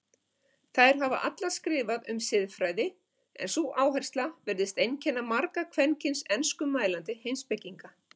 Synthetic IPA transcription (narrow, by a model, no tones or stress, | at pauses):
θajɾ̥ɦava̰ʔat̪laskɾɪːvaðʏ̰msɪðfɾaːjðɪ | ɛ̰nsuʔaːwɦɛjr̥st̪lavɛɾðɪst̪ejncʰɛnːamaɾkakʰvɛncɪnsɛnskʏmːaːjlant̪ɪhejmspɛcːiŋka